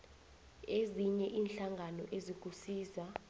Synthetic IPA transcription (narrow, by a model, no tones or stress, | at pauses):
eziɲɛʔiːnɬaŋʱanɔʔezik̬ʼusiːza